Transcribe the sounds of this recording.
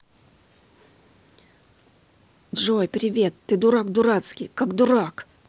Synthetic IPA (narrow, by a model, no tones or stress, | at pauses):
d̪ʐojpɾʲɪvʲe̞t̪ːɨd̪ʊɾakd̪ʊɾat̪skʲijkakd̪ʊɾak